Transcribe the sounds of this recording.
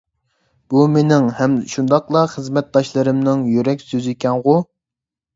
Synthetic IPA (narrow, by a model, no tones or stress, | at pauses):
b̥umenɪŋhɛmʃund̪ɑqlˠɑχəzmɛt̪̚d̪ɑʃlˠɨɾɨmnɨŋjyɾɛkʲsøzikʲʰɛnʁʊ